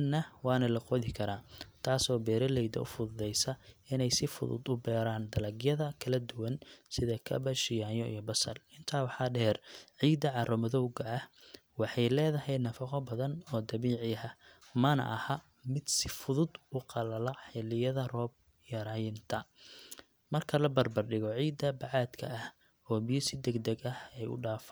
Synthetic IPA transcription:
nːɐwɑːnɐlɐqɔðɪkʰɐɾaːt̪ʰaːsɔːbɛːɾɐlɛjd̪ɐ̰ʔʊ̰fʊðʊðɛjsɐɪnɛjsɪfʊ̰ðʊ̰d̪ʊbɛːɾaːnd̪ɐlɐɡjɐðɐkʰɐlɐd̪ʊwɐnsɪðɐkʰɐ̰bɐʃɪjaːjɔḭjɔbɐsɐ̰lɪnt̪ʰaːwɑħɑːɖɛːrʕiːd̪ɐʕɑrɔmɐðɔwɡɐʕɐh | wɑħɑjlɛːðɐɦɛjnɐfɑqɔbɐðɐnɔːd̪ɐβiːʕɪɐ | mɐnɐ̰ʔɐ̰hɐ | mɪd̪sɪfʊðʊd̪ʊqɑlɐlɐħɪlɪjɐðɐrɔːb̚ | jɐɾaːjɪnt̪ʰɐ | mɐrkʰɐlɐbɐrbɐrɖɪɣɔʕiːd̪ɐbɐʕɑːd̪kʰɐ̰ʔɐh | ɔːbɪjɪsɪd̪ɛɡd̪ɛɡɐhɛjʊ̰ɖaːf

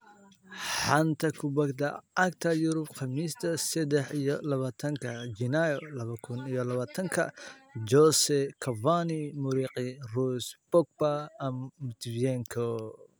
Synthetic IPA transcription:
ħɑnt̪ʰɐkʰʊbɐɡd̪ɐɐkt̪ʰɐjʊɾʊbqɑmiːst̪ʰɐsɛd̪ɛħijɔlɐβaːt̪ʰɐŋkʰɐd͡ʒɪnajɔlɐβɐkʰʊnijɔlɐβaːt̪ʰɐŋkʰɐ̰d͡ʒɔsɛkʰɐvanimʊɾiːqɪrusb̥ɔk̚bɐmːt̪ʰvjɛŋkʰɔ

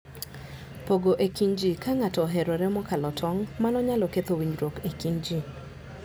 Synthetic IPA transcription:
poɡoʔekiɲd͡ʒikaŋatɔɦeɾoɾɛmɔkalɔtʰɔŋmanɔɲalɔket̪owiɲɾokekiɲd͡ʒi

